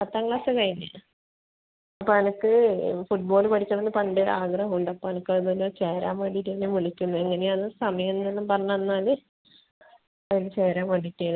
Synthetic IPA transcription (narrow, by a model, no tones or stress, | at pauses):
pɐt̪ːaːŋɡɭaːsɨkɐjiɲːɐ | ɐpːoːnɐnɐkːɨfuʈ̚bo̞ːlpɐʈʰit͡ɕːɐʋɐnːɨpɐɳɖeʔaːɡrɐɦuɳɖɐpːoːɐnukːɐinolot͡ɕeːɾaːmʋɐɽiʈːenːemuɭikʲːunːueŋːɐneɐðɨsɐmɐjɐnːelːɐmpɐrɐɲːanːaːlɨ | ɐðinet͡ɕeːɾaːmʋɐɽiʈːel